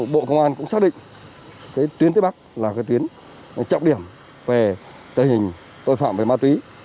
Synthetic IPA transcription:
ɓo̰˧˨kə˧wŋ͡mʔaː˧nkʊ̰˧˥ŋ͡msaː˦˥k̚ɗḭ˧˨ŋ | kaː˨˦jt̪wi˨˦ənt̪e˨˦˥ɓa˦˥k̚laː˨˩kaː˨˦t̪wi˨˦ən | t͡ɕə̰˧˨wŋ͡mɗi˧˩əm | ve˨˩ | t̪əː˧˩hï˨˩ŋ̟ | t̪o˧jfa̰ː˧˨mve˨˩maː˧t̪wi˨˦

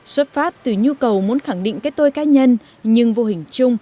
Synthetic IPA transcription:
swə˦˥p̚faː˦˥p̚t̪ɨ˨˩ɲu˧kə˨˩wmu˨˦ənxa˧˩ŋɗḭ˧˨ŋ̟kaː˨˦j̚t̪o˧jkaː˨˦ɲə˧n | ɲɨ˧ŋvo˧hï˨˩ŋ̟t͡ɕʊ˧ŋ͡m

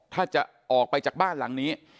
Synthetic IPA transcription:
t̪ʰaː˥˩t͡ɕa˨˩ʔʔɔː˨˩k̚pa˧jt͡ɕaː˨˩k̚baː˥˩nla˩˦ŋniː˦˥

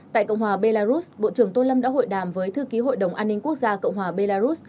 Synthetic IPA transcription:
t̪a̰ː˧˨jkə̰˧˨wŋ͡mhɦwaː˨˩ɓe˧laː˧zu˦˥sɓo̰˧˨t͡ɕɨ˨˩əŋt̪o˧lə˧mɗa̰ː˧˥ɦho̰˧˨jɗaː˨˩mvəː˨˦jt̪ʰɨ˧ki˨˦ɦo̰˧˨jɗə˨˩wŋ͡mʔaː˧nːï˧ŋ̟ku˦˥ək̚zaː˧kə̰˧˨wŋ͡mɦwaː˨˩ɓe˧laː˧zu˦˥s

